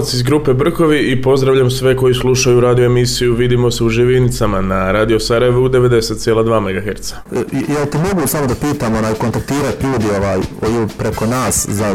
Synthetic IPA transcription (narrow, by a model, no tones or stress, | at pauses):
t̪sizɡɾuːpe̞br̩ko̞ʋiipo̞zd̪ɾaʋʎamsʋe̞ko̞jislˠuʃajuɾaːd̪ijoemisijuʋid̪imo̞seuʒiʋinit̪samanaɾaːd̪ijo̞saɾaje̞ʋuud̪e̞ʋe̞d̪e̞se̞t̪̚sjelˠad̪ʋaːme̞ɡaxe̞ɾt̪sḁjat̪emo̞ɡusaːmod̪apiːt̪amo̞naːjkont̪ak̚t̪iːɾat̪ʎuːd̪io̞ʋaːjojpɾeko̞naːsza